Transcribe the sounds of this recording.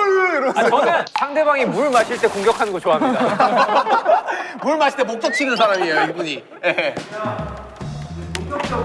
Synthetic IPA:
jeɾʌsakʌnesʰaŋde̞baŋimuɭmaɕʰiɭt͈e̞koŋɡjʌkʰannɡot͡ɕoaɦaɲida | muɭmaɕʰiɭtemok̚t͈ʌk̚t͡ɕʰiɡɯnsʰaɾamiejoibuɲi | je̞

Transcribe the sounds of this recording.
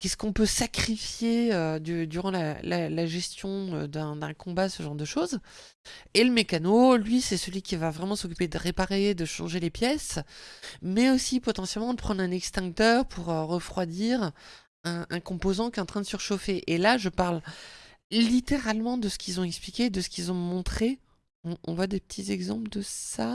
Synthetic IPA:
kʲɛskɔ̃pøsakχifjeød̪yd̪yʁɑ̃lalalaʒɛst̪jɔ̃ø̰d̪ɛ̃d̪ɛ̃kɔ̃basəʒɑ̃ʁd̪əʃoz | eləmekanolɥisɛsəlɥikʲivavʁɛmɑ̃sɔkʲyped̪əʁepaʁed̪əʃɑ̰̃ʒelepjɛs | mɛosipɔt̪ɑ̃sjɛlmɑ̃d̪əpχɑ̃nd̪ʁɛ̃nɛkst̪ɛ̃ɡt̪œʁpʰuʁøʁəfχwad̪iʁ | ɛ̃ʔɛ̃kɔ̃pozɑ̃kʲjɛtɑ̃t̪χɛ̃d̪əsəʁəʃofeʔelaʒəpaʁl | lit̪eʁalmɑ̃d̪əsə̥kʲilzɔ̃ɛksplikʲed̪əsə̥kʲilzɔ̃mɔ̃t̪χe | ɔ̃ʔɔ̰̃vwad̪epə̥t̪ʰizɛɡzɑ̰̃pləd̪əssa

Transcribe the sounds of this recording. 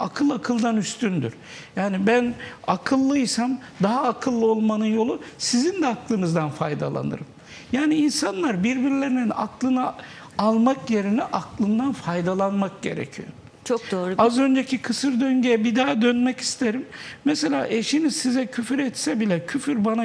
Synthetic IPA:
akʰɯlˠakʰɯlˠd̪anyst̪ʰynd̪y̰ɾ̥ | jaːnibænakʰɯlˠːɯjsamd̪aɦaːkʰɯlˠːɯolˠmanɯnjo̞lˠusizind̪ɛaklˠɯnɯzd̪anfajd̪a̰lˠa̰nɯ̰ɾɯm | jaːniːnsanlˠaɾbiɾbiɾilʲe̞ɾinina̰klˠɯnɯ | alˠmakje̞ɾinɛʔaklˠɯnd̪anfajd̪alˠanmak̚ɟe̞̰ɾɛ̰cʰijo̰ | t͡ʃʰokd̪oːɾazø̞nd͡ʒecʰikʰɯsɯɾd̪øɲɟejɛbid̪aːd̪ønmɛci̥st̪ʰeɾimːɛse̞lʲa̰ːʔe̞ʃinizsizɛcʰyfɾɛt̪sɛbilʲɛcʰyfyɾbana

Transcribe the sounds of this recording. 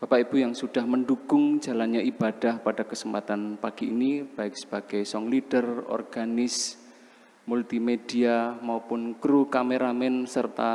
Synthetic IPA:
b̥apaib̥ujaŋsud̥ahmənduɡ̥ʊŋ̥d͡ʒalanɲaʔibad̥ahpad̥akəsəmpat̪anpaɡ̥iinib̥aɪk̚sə̥b̥aɡ̥ajsɔŋlid̥ərɔ̰rɡ̥anɪs | mult̪imediamaupʊnkɾukameɾamɛnsərt̪a

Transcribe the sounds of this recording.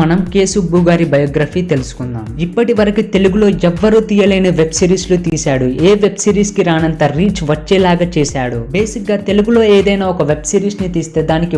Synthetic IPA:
ɐnɐmke̞ːsubuːɡaːɾibɐjɔːɡɾaːfiːt̪e̞lusu̥kund̪a̰ːmipːɐʈiʋɐɾɐkit̪e̞luɡulo̞ːɛʋːɐɾuːt̪iːjɐlɐjnɐʋe̞bsiːɾiːslut̪iːsaːɽueːʋe̞bsiːɾiːskiɾaːnɐnt̪ɐɾiːt͡ʃʋɐt͡ʃːɛːlaːɡat͡ʃɛːsaːɽubeːsik̚ɡaːt̪e̞luɡulo̞ːeːd̪ɐjnaːɔkɐʋe̞bsiːɾiːsnit̪iːst̪e̞ːd̪aːniki

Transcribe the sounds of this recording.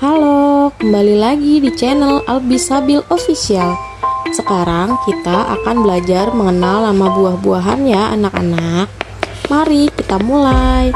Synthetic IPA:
halokəmbalilaɡidit͡ʃɛnəlalbisabilofisial | səkaɾaŋkit̪aʔa̰kanbəlad͡ʒarməŋənalːamabuahbuaɦanjaa̰naka̰nak̚ | maɾikit̪amulaj

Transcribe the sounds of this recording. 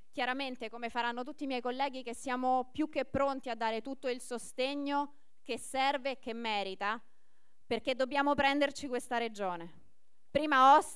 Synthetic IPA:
k̟jaɾament̪ekomefaɾanːot̪ut̪ːimjɛjkolːɛːɡikesːjaːmopjukːepːɾont̪iad̪ːaːɾet̪ut̪ːoilsost̪eɲːo | k̟esːɛrvek̟ːemːɛːɾit̪a | perked̪ːobːjaːmopɾɛnd̪ert͡ʃikwest̪aɾed͡ʒoːne | pɾiːmaɔs

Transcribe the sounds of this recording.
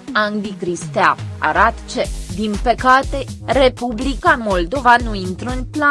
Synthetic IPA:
and̪ikɾist̪eaa̰ɾat̪t͡ʃed̪impekat̪eɾepublikamold̪ovanuint̪ɾunpla

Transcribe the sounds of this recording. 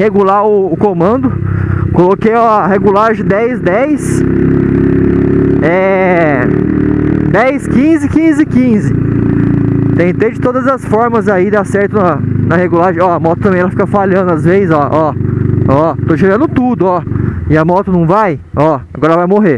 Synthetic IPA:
heɡulaʊːkõmɐ̃nd̪ʊ | kolokejɔɐɦeɡulaɾʒẽd̪ɛjsd̪ɛjs | ɛ | d̪ɛjskĩzɪkĩzɪkĩzɪ | t̪ẽt̪ed͡ʒɪt̪od̪ɐzɐsfɔɾmɐzaid̪asɛɾt̪ʊnɐnɐheɡulaɾʒẽɔɐmɔt̪ʊt̪ɐ̃mẽj̃ɛlɐfikɐfaʎɐ̃nd̪ʊɐzvezɪzɔʔɔ | ɔt̪oʒeɾɐ̃nd̪ʊt̪ud̪ʊɔɪɐmɔt̪ʊnɐ̃w̃vajɔaɡɔɾɐvajmoɦe

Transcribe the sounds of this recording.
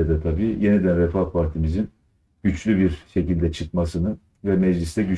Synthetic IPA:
ɛd̪ɛt̪ʰabiːje̞nid̪ænɾɛfapʰaɾt̪ʰimizin | ɟ̥yt͡ʃlʲybiɾʃe̞cilʲd̪ɛt͡ʃʰɯk̪̚masɯnɯn | vɛmɛd͡ʒlʲist̪ʰɛɟy

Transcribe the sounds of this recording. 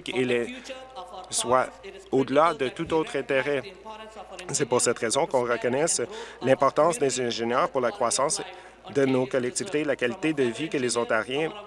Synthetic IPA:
kelɛ | swaod̪əlad̪ət̪ut̪ot̪χɛ̃t̪eʁɛ | sɛpuʁsɛt̪ʁezɔ̃kɔ̃ʁəkɔnɛslɛ̃pɔʁt̪ɑ̃sd̪ezɛ̃ʒenjœːʁpuʁlakχwasɑ̃ːs | d̪ənokɔlɛk̚t̪ivit̪elakalit̪ed̪əvikəlezɔ̃t̪aʁjɛ̃

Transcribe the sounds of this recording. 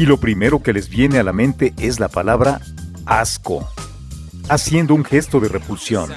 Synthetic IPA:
ilo̞pɾime̞ɾo̞ke̞le̞zβje̞nealamẽ̞nt̪e̞ʔe̞zlapalaβɾa | asko̞̰ | asje̞nd̪o̞uŋxe̞st̪o̞ðe̞rʔepulsjo̞n

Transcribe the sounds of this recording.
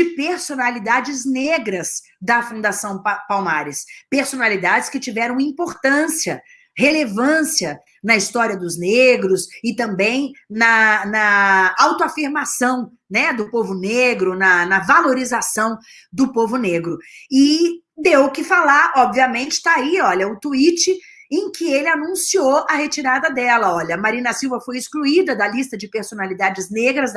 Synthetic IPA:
d͡ʒɪpeɾsonalid̪ad͡ʒɪzneɡɾɐs | d̪ɐfũd̪asɐ̃w̃pawmaɾɪspeɾsonalid̪ad͡ʒɪskɪt͡ʃivɛɾɐ̃w̃ĩmpoɾt̪ɐ̃siɐ | helevɐ̃siɐ | nɐist̪ɔɾiɐd̪ʊzneɡɾʊsɪt̪ɐ̃mbẽj̃nɐnɐawt̪ʊafiɾmasɐ̃w̃ | nɛd̪ʊpovʊneɡɾʊnɐnɐvaloɾizasɐ̃w̃ | d̪ʊpovʊneɡɾʊɪ | d̪ewʊkɪfalaɾɔbviɐmẽnt͡ʃɪ̥t̪aaiɔʎɐʊt̪uit͡ʃɪ | ẽj̃kɪelɪanũsioɐhet͡ʃiɾad̪ɐd̪ɛlɐɔʎɐmaɾĩnɐsiwvɐfojɪskluid̪ɐd̪ɐlist̪ɐd͡ʒɪpeɾsonalid̪ad͡ʒɪzneɡɾɐz

